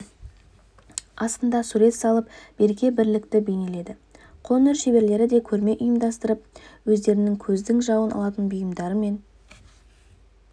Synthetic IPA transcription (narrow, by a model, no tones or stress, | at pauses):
ɑst̪ənd̪ɑsuɾe̞t̪sɑlˠəpb̥e̞ɾɡʲe̞bɪɾlɪkt̪ɪbe̞jne̞le̞d̪ɪ | qʰo̞nɪɾʃe̞be̞ɾle̞ɾɪd̪e̞kʲʰɵɾme̞ʔʊjəmd̪ɑst̪əɾəp̚wɵzd̪e̞ɾɪnɪŋkʲʰɵzd̪ɪŋʒɑwənɑ̰lˠɑt̪ənbʊjəmd̪ɑɾəme̞n